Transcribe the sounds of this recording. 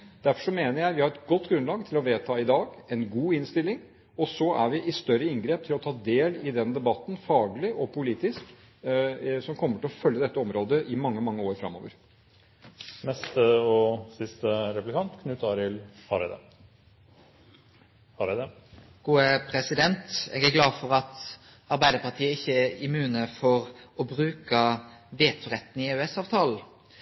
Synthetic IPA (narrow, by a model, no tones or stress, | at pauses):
d̪̥æɾfɔʂɔmeːnəɾjæɪʋɪhɑɾɛt̪ɡɔt̪ːɡɾʉnlɑːɡt̪ʰɪlɔʋeːt̪ʰɑːɪd̪ɑːɡɛnɡuːɪnst̪ɪlːɪŋ | ɔsɔæ̰ɾʋɪʔɪst̪œɾəɪŋɡɾeːp̚t̪ʰɪlɔt̪ʰɑːd̪eːlɪd̪ɛnd̪ɛbɑt̪ːn̩fɑːɡlɪʔɔpʰʊliːt̪ɪsk | sɔmkʰɔmːəʈʰɪlɔfœljəd̪ɛt̪ːəɔmɾoːd̪əʔɪmɑŋːəmɑŋːəoːɾfɾɑ̰mːo̰ːʋəɾ | nɛst̪əɔsɪst̪əɾɛplɪkɑnt̪kʰnʉt̪ɑɾɪlfɑɾɛ̰d̪ə̰ | ɑɾɛd̪ə | ɡ̥uːəpʰɾɛsɪd̪ɛnt̪ɛ̰ːɡæɾɡlɑːfɔɾɑt̪ | ɑɾbæɪd̪əɾpɑʈ̪ʰiːəɪçːəæɾɪmʉːnəfɔɾɔbɾʉːkəʋeːt̪ʰʉɾɛt̪ːnɪʉɛsɑːʋt̪ʰɑːl̩